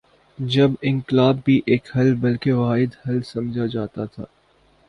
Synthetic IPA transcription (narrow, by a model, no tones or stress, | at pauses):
d͡ʒɐbɪ̃ŋklaːbːiʔeːkhɐlbɐlkeʋaːɦɪd̪hɐlsɐ̃md͡ʒʱad͡ʒaːt̪at̪ʰa̰ː